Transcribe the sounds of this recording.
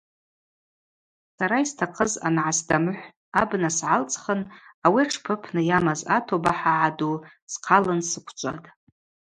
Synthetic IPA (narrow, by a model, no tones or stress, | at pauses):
saɾaistʰaqʰəza̰nʕasdamɨħʷ | abnasʕalt͡sʼχənawiaʈ͡ʂʰpʰɨpʰnɨjamaza̰tʰobaħaʕadu | sqʰalɨnsɨkʷʰt͡ʃʷʼa̰tʼ